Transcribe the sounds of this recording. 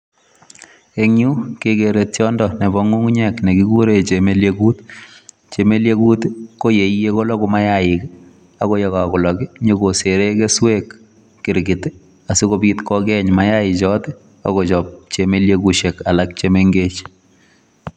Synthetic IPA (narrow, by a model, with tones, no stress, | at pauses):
e˦ŋju˦ke˦keɾetjɔndɔne˨βɔ˦ŋu˦ŋ˦ɲɛkne˨ki˦ku˦ɾe˨t͡ʃe˨me˦ljeku˦t | t͡ʃe˨me˦lje˦ku˦tko˦je˨ije˦ko˦lɔ˦kʊ˦ma˦jaɪ˨k | a˨ko˦jɔ˨ka˨kʊ˨lɔ˨kɪ˦ɲe˦ko˨se˨ɾe˦ke˦swekː | ɪ˨ɾɡɪ˨t | a˨su˦ko˦pitkɔkɛɲma˦jaɪ˨t͡ʃɔ˦t | a̰˨ko˨t͡ʃɔp̚t͡ʃeme˦ljekuʃe˨ka˨la˦k̚t͡ʃemeŋɡe˦t͡ʃ